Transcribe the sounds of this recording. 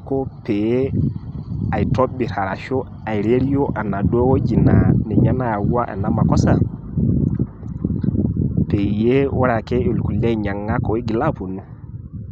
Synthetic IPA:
ko˦pe˨j | a˨ji˨to˦bi˨ɾa˨ɾa˨ʃo˦ | a˨jɾe˦ɾi˦jo˦ʔa˨na˨dɔ˦wo˦d͡ʒi˨na˨nɛ˨ɲa˦na˦ja˨ɡu˦a˦ʔa̰˨na˦ma˨kɔ˦sa˦ | pe˨je˦wa˦ɾa˨ke˦u˨lku˨la˦i˨ɲa˨ŋːa˦ko˨i˦ɡi˨la˦po˨nu˦

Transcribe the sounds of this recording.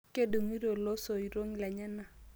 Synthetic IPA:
ke˦du˨ŋi˦ɾo˨lo˦so˨i˨ɾo˦ŋ˨la˨ɲa˦na˨

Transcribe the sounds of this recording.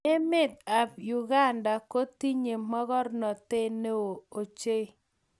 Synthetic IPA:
e˦mɪ˦t̪̚a˨jʊ˨ɡa˦nda˨ko˦t̪i˦ɲe˨mɔ˦ɡɔ˦rnɔ˨t̪e˦ne˦wo˨o˨t͡ʃe˦

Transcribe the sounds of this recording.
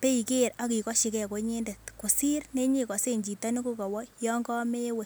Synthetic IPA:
pe˦i˨ke˦˨ɾa˦ki˨kɔ˦ʃi˨kɛ˦˨ko˨˦ɲe˦nde˨tko˨si˦rne˦ɲi˨kɔ˨se˦ɲd͡ʒi˨tɔ˦ni˦ko˦kɔ˨wɔ˦jɔ˦ŋɡɔ˦me˦we˦˨

